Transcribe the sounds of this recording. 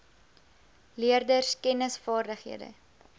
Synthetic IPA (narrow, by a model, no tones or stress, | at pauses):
liərdərskɛnəsfɑːrdəχɦḭədə̰